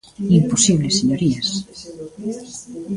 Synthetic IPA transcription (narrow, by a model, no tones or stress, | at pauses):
imposiβleseɲoɾias